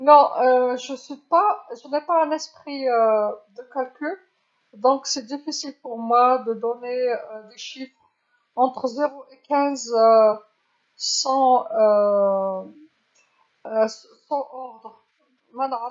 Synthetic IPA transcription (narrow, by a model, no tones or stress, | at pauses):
nɔ̃əʒəsɥipaʒənɛpaɛ̃nɛspχiød̪əkalkʲyl | d̪ɔ̃ksɛd̪ifisilpuʁmwad̪əd̪ɔned̪eʃifχ | ɑ̃t̪χəzeʁoekɛ̃z | sɑ̃ø | sɑ̃ʔɔʁd̪ʁ | mɛn